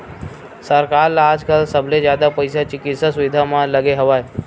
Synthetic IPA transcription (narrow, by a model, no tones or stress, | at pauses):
səɾkaɾlaːd͡ʒkalsəbʱled͡ʒjaːd̪apəjsat͡ʃɪkɪt̪sasuʋɪd̪ʱamãləɡeɦɐʋaːe